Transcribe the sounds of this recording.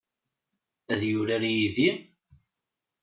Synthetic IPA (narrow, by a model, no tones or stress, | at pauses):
æðjʊɾæɾijiði